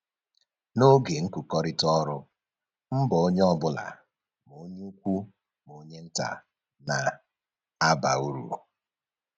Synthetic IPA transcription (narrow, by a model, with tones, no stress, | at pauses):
no˦ɡe˨ŋ̩˦ku˨kɔ˦ɾɪ˦tɔ˦ɾʊ˦ | m̩˦bɔ˨o˦ɲe˦ɔ˦bʊ˦la̰˨ | m˨o˦ɲ˦u˦kʷu˦ | m˨o˨ɲe˦n̩˦ta̰˨ | na˨ | a˦ba˨u˦ɾṵ˨